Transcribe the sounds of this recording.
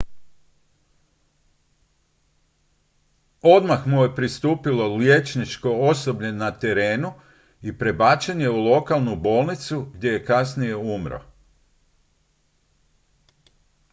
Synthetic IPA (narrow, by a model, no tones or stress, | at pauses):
o̞d̪maxmuje̞pɾist̪uːpilo̞lje̞t͡ʃnit͡ʃko̞oso̞bɲenat̪e̞ɾe̞ːnu | ipɾe̞baːt͡ʃenje̞ulˠo̞kalˠnubo̞ːlˠnit̪suɡd̪ʲje̞je̞kasnije̞umɾo̰